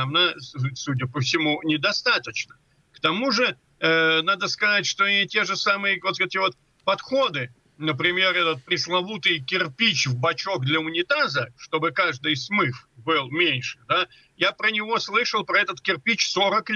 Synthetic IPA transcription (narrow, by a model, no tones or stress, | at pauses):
mnasudʲəpəfsʲɪmunʲɪd̪ɐst̪at̪ət͡ɕnə | kt̪ɐmuʐɨ | nad̪əskɐzatʲʂt̪o̞ɪtʲe̞ʐɨsamɨjəvot̪ɛt̪ʲɪvo̞t̪ | pɐt̪xo̞d̪ɨɪ | nəpɾʲɪmʲe̞ɾɛt̪ət̪̚pɾʲɪslˠɐvut̪ɨjkʲɪrpʲit͡ɕvbɐt͡ɕoɡd̪lʲɐʊnʲɪt̪azəʂt̪o̞bɨkaʐd̪ɨjsmɨfbɨlˠmʲenʲʂɨd̪a | japɾənʲɪvo̞slˠɨʂəlˠpɾɐɛt̪ət̪kʲɪrpʲit͡ɕso̞ɾəklʲ